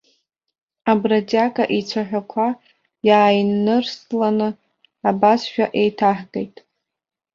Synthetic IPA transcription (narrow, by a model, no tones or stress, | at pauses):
abratʼakʼaʔit͡sʷʰaħᶣakʷʰa | jaːjnːɨrslanɨ | abasʃᶣaʔe̞jtʰaħɡʼejtʼ